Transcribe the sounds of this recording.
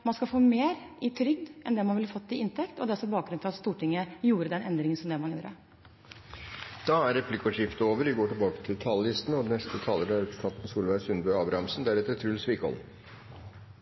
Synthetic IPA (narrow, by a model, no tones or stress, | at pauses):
mɑnskɑfoːmeːɾʔɪt̪ʰɾʏɡd̪ʔɛ̰nd̪ɛmɑnʋɪlfɔt̪ːɪɪnt̪ʰɛkt̪ɔd̪ɛɔsɔbɑːkɡɾʉnfʰɾɑt̪st̪uːʈɪŋːəjuːɾəd̪ɛnʔɛnd̪ɾɪŋənsɔmd̪ɛmɑnjuːɾə̰ | d̪̥ɑːæɾːɛpʰlɪkɔʂɪft̪əoːʋəɾʋɪɡoːʈɪlbɑːkə̥t̪ʰɪlt̪ʰɑlːɪst̪ənəɔd̪ɛnɛst̪ət̪ʰɑːləɾæɾɛst̪ʰɑnt̪n̩suːlʋæɪsʉnbœʏɑːbɾɑɑmsn̩d̪æɾɛt̪ːəɾæt̪ʰːɾʉlsʋiːkəɔ̰l